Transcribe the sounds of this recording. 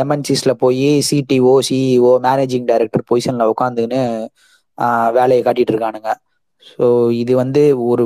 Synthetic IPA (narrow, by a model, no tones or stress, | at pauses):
ɛmɐnsislɐpoːjisiʈioːsioːmaːneːd͡ʒɪ̃ŋɡɖɐɪɾɛk̚ʈɐɾpoːjsɐnlɐʊkːaːnd̪ɯnɯ | ʋeːlɐjɐkaːʈːɪʈːɯɾɯkːaːɳɯŋɡɐ | soːɪðɯʋɐnd̪ɯɔɾɯ